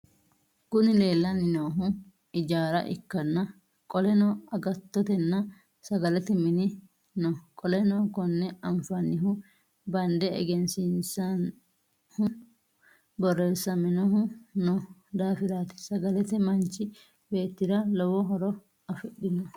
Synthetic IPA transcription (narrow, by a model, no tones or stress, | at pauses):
kʊnɪle̞ːlːɐnɪnoːɦʊ | ɪd͡ʒaːɾɐ̰ʔɪ̰kːɐnːɐ | kʼɔlɛnɔɐɡɐt̪ːɔt̪ɛnːɐ | sɐɡɐlɛt̪ɛmɪnɪ | nɔkʼɔlɛnɔkɔnːɛɐɱfɐnːɪɦʊ | bɐnd̪ɛ̰ːɡɛnsɪnsɐn | hʊ | bɔrːeːsːɐmɪnɔɦʊnɔd̪aːfɪɾaːt̪ɪ̥sɐɡɐlɛt̪ɛmɐnt͡ʃɪ | be̞ːt̪ːɪɾɐlɔwɔɦɔɾɔ | ɐfɪɗɪnɔ